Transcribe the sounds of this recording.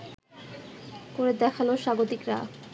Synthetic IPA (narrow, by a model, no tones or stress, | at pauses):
koɾed̪ɛkʰaloʃaɡot̪ikɾa̰